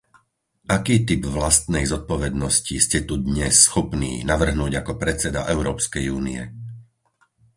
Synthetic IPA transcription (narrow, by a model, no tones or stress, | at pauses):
ʔakiːt̪ibʋlast̪nɛjzɔt̪̚pɔʋɛd̪nɔsciscɛt̪ud̪ɲɛsːxɔpnḭːnaʋr̩ɦnuːɟakɔpɾɛt͡sɛd̪a̰ʔɛʊɾɔːpskɛjuːniɛ̰